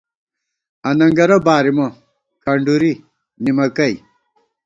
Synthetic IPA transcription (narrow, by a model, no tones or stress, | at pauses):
ɐnɐŋɡɐɾɐbaːɾimo | kʰɐɳɖuɾi | nimɐkɐj